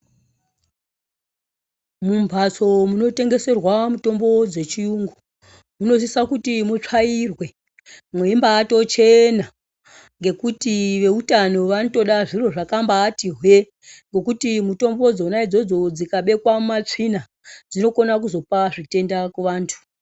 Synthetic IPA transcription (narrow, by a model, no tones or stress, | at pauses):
mumbʱat͡so̞muno̞te̞ŋɡe̞se̞rwamuto̞mbo̞d͡ze̞t͡ʃijuŋɡu | muno̞sisakutimut͡ʂairwe̞ | mweimbaːto̞t͡ʃe̞na | ŋɡe̞kutiʋe̞utano̞ʋanoto̞ɗaʐiro̞ʐakambaːtiɦwje | ŋɡo̞kutimuto̞mbo̞d͡zonaid͡zo̞d͡zo̞d͡zikaɓe̞kwamat͡ʂina | d͡zino̞ko̞nak̬uzo̞paʐite̞ndakuʋaːntʰu̥